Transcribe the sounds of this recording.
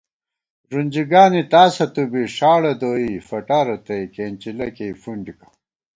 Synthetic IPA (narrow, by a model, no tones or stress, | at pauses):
ɾunʲd͡ʑiɡaːnit̪aːsɐt̪ubiʂaːɽɐd̪oːifɐʈaːɾɐt̪ɐikeːnt͡ɕilɐkejfuɳɖikɐ̥